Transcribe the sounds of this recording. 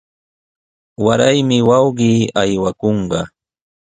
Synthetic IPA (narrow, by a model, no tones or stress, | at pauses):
waɾajmɪwɑwɢiːajwakoɴɢɑ